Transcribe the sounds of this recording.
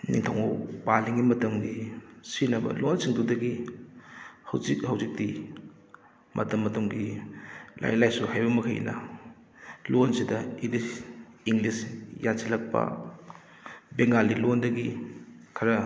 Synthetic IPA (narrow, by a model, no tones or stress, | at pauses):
nḭŋtʰawŋopaliŋimɐtɐmɡisinɐbɐ̰lonsiŋdudɐɡi | hɐwzikhɐwzik̚ti | mʔɐ̰tɐmːɐtɐmɡi | la̰jlajsuhajbɐmɐkʰɐj̰nɐ̰ | lonsidɐidisiŋlisjasilɐk̚pɐ̰ | beŋɡalilondɐɡikʰɐɾɐ